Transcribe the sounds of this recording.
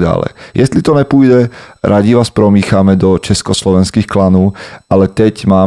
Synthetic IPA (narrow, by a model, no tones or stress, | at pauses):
a̰ːlɛ̰jjʔɛst̪lit̪ɔɲɛpuːjdɛɾʔaɟiʋaːspɾɔmiːxamɛd̪ɔt͡ʃɛskɔslɔʋɛnskiːxklanɔʊʔalɛt̪ɛcmaː